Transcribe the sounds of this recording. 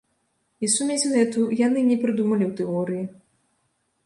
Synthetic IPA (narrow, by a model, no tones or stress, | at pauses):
isumʲet͡sʲɣɛt̪ujanɨnʲɛpɾɨd̪umɐlʲiwt̪ɛɔɾɨji